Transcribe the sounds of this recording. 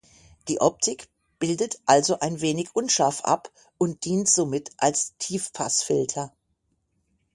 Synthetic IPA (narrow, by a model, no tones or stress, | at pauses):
d̥iːʔɔp̚tʰɪk | b̥ɪldətʔalzoʔaɪnveːnɪçʔʊnʃaɐfʔa̰p | ʔʊnt̚d̥iːntz̥oːmɪtʔalstʰiːfpʰa̰sfɪltʰɐ